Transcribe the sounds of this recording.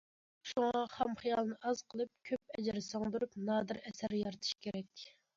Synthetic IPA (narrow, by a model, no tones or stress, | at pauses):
ʃuŋɑχɛmχijɑlˠnɨʔɑz̥qʰəlˠɨp̚kʲʰøp̚ɛd͡ʒɪɾsoŋd̪uɾupnɑːd̪ɨɾɛsæɾjɑɾt̪ʰɨ̥ʃkʲʰeɾɛk̚ʲkʲ